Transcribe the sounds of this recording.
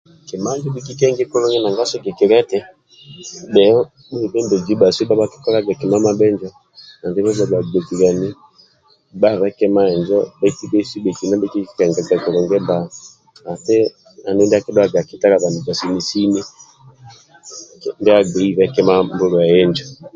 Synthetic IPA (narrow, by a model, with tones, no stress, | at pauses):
ki˨ma˦d͡ʒɔ˦bi˦ki˦kɛ˦ŋɡɛ˦kɔ˦lɔ˦ŋɡɛ˦na˨ŋɡa˦sɔ˦ɡɛ˨ki˨ɾɛ˦tɛ˦ | ɓɛ˨ɔ˦ | ɓu˦i˨bɛ˦mbɛ˨d͡ʒi˨˦ɓa˨si˦ɓa˦ba˦ki̥˦kɔ˦la˦ɡa˨ki˨ma˦ma˦ɓɛ˦ɲd͡ʒɔ˦ | na˨ndɛ˦βɛ˦ba˨ɡa˨ɡɛ˨ki˨ɡa˨ni˦ | ba˦βɛ˦kɛ˦ma˦ɛ˨nd͡ʒɔ˦ɓa˦iti˦bɛ˦i˦si˦ɓɛ˨ki˨na˦bi˦ki˦kɛ˨ŋɡɛ˨ɡa˨ki˨ɾɔ˨ŋɡɛ˦mba˨ | a˨tɛ˦ | a˨ndɛ˦ndi˦a˦ki˦dɔ˦a˦ɡa˨ki˨ta˦ɾa˨βa˨mi˨d͡ʒa˨si˨ni˨si˦ni˦˨ | ndɛ˦a˦ɡɛ˨i˦βɛ˦kɛ˦ma˦mbu˦ɾɔ˨a˨ɛ˦ɲd͡ʒɔ˨